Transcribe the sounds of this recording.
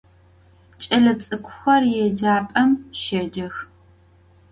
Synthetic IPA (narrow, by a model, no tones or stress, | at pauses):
t͡ʃʼɐɮɐt͡sʼɨkʷʰʊxɐrjɛd͡ʒaːpʼɐmʃɐd͡ʒɐx